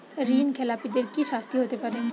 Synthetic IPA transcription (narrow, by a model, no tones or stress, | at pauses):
ɾiːnkʰelaːpid̪ɪɾkiʃaːst̪iɦoːt̪epɐɾẽː